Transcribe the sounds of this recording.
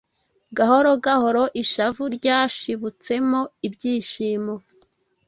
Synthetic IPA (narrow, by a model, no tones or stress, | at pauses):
ɡaho̞ɾo̞ɡaho̞ɾo̞ʔiʃavuɾɟaʃiβut͡se̞moibɟiːʃiːmo